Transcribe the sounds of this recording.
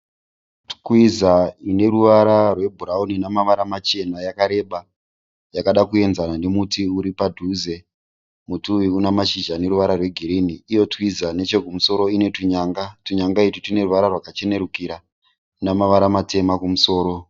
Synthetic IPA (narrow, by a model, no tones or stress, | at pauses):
tkwizaine̞ruʋaɾarwe̞bʱuɾauninamaʋaɾamat͡ʃe̞najakaɾe̞ɓa | jakaɗakue̞nzananemutiuɾipadʱuze | mutuwiunamaʃiʒane̞ɾuʋaɾarwe̞ɡʱiɾiniːjo̞twizane̞t͡ʃe̞kumuso̞ɾo̞ine̞tuɲaːŋɡatuɲaŋɡaititine̞ruʋaɾarwakat͡ʃe̞ne̞ɾukiɾa | namaʋaɾamate̞makumuso̞ːɾo̞